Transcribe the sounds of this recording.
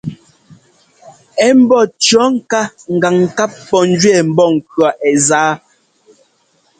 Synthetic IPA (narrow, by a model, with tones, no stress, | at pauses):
ɛ˦m̩˦bɔ˦˨t͡ʃɔ˦ŋ̩˦˨ka˦ŋ̩˨ɡa˨ŋ˨ka˦p̚ːɔ˨n̩˦d͡ʒɥɛ˦˨m̩˨bɔ˦˨ŋ̩˨kɰɔ˨ʔɛ˨zaː˦